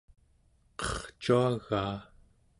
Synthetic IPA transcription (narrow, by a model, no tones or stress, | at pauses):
qʌχt͡ʃuaɣaː